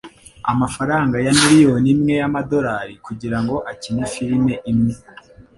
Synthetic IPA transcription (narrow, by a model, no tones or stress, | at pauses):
a̰mafaɾaːŋɡajamiɾijo̞nimŋe̞jamado̞ɾaɾikuɟiɾaŋɡo̞ʔacinifiɾime̞ʔimŋe̞